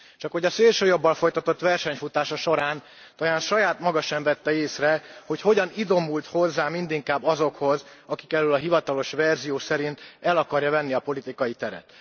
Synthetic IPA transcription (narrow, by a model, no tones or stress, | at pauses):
t͡ʃɒkho̞ɟɒseːlʃøːjo̞bːɒlfo̞jt̪ɒt̪o̞t̪ʋɛrʃɛɲfut̪aːʃɒʃo̞ɾaːn | t̪ɒjaːnʃɒjaːt̪mɒɡɒʃɛɱvɛt̪ːɛeːsrɛho̞cho̞ɟɒnid̪o̞mult̪ho̞zːaːmind̪iŋkaːbːɒzo̞kho̞z | ɒki̥kɛlølɒɦivɒt̪ɒlo̞ʃvɛrzijoːsɛɾint̪ɛlɒkɒrjɒvɛnːiɒpo̞lit̪ikɒjit̪ɛɾɛ̰t̪